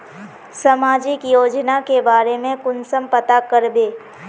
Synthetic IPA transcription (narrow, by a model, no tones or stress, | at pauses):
sɐmaːd͡ʒɪkjoːd͡ʒnakebaːɾemẽkʊnsəmpət̪akəɾbeː